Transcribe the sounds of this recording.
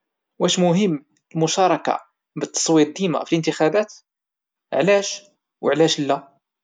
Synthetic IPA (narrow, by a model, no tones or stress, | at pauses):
wʔæʃmʊɦəmː | lmʊʃɑɾˤɑka̰ | bət̪ːɑ̥sˤwiɾd̪ima̰filʔənt̪əxæbæt̪ | ʕlæʃ | wʕlæʃlːæ